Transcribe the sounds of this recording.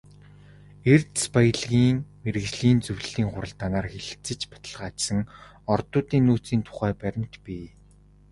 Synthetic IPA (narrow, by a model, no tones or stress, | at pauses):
ert̪spaj̆ɮɣiːŋmeɾɘ̆ɣt͡ɕɮiːnt͡sɵwɮiːŋχʊɾə̆ɮt̪ːaːnaːrxeɮ̆t͡sɘ̆t͡ɕpḁt̪ə̆ɮʁaːt͡ɕsə̆ŋ | ɔrt̪ʊːt̪iːnːuːt͡siːnt̪ʰʊ̥χæːpæɾʲɪ̆m̥t̪piː